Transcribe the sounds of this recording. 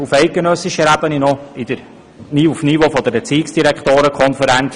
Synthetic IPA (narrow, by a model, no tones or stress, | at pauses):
ufɛɪt̚ɡenœsːɪʃəɾæb̥əninɔɪd̥̪əɾ | niufnivofod̪ɛbət͡siːksd̥iɾækχt̪oːɾəkʰχɔnfəɾɛnt͡s